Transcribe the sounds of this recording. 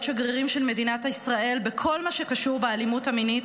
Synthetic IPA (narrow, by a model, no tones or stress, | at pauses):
ʃaɡʁiʁimʃe̞lme̞dinataisʁae̞lbekʰo̞lmaʃe̞kaʃuʁbealimutaminit